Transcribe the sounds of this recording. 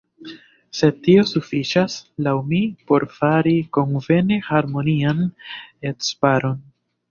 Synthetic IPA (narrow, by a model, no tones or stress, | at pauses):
se̞tːio̞sufit͡ʃaslawmipo̞ɾfaɾiko̞nve̞nehaɾmo̞nianetspaɾo̞n